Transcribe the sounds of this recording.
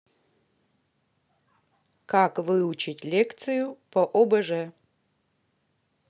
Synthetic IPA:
kakvɨut͡ʃʰitʲlʲekt̪sɨjupɐʔobɐʐɛ

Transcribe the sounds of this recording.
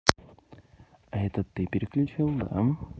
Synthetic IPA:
ɐɛt̪ət̪ːɨpʲɪɾʲɪklʲʉt͡ɕilˠd̪a̰

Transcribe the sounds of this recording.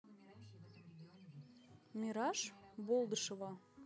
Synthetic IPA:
mʲiɾɑʃbolˠd̪ɤʃɤvɑ

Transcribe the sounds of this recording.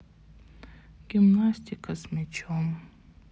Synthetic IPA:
ɡ̥ʲimnasʲt̪ʰʲikʰɐsmʲɛt͡ʃʰom

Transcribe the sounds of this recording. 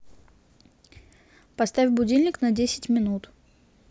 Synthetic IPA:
pɐst̪afʲbʊdʲilʲnʲɪknɐdʲesʲɪ̥tʲmʲɪnut̪

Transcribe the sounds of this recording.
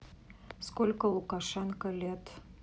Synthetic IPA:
skolʲkəlˠukɑʃɑnkə̆lʲet̪

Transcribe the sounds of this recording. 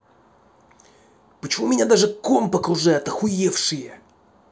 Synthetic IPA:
pət͡ɕɪmumʲɪnʲad̪aʐɨkompəkʊʐɛɐt̪əxʊjefʂɨjə

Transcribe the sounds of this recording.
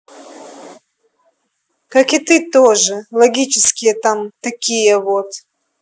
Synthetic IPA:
kakɪt̪ɨt̪oʐɨlˠɐɡʲit͡ɕɪskʲɪjət̪amt̪ɐkʲijəvot̪

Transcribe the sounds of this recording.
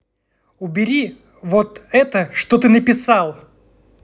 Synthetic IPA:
ʊbʲɪɾʲi | vot̪ɛt̪əʂt̪ot̪ɨnəpʲɪsalˠ

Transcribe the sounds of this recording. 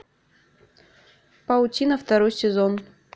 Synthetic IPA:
pɐʊtʲinɐft̪ɐɾojsʲɪzon

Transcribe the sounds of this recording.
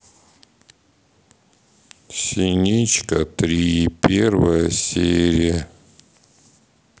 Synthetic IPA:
sʲinʲit͡ɕkət̪ɾʲipʲervəjəsʲeɾʲɪjə

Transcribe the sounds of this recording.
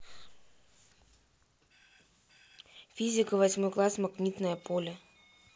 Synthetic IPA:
fʲizʲɪkəvɐsʲmojklˠasmɐɡnʲit̪nəjəpʰolʲə

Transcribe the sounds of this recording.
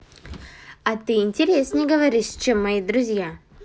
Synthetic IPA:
ɐt̪ɨɪnʲtʲɪɾʲesʲnʲɪɡəvɐɾʲiʂt͡ɕemːɐid̪ɾʊzʲja

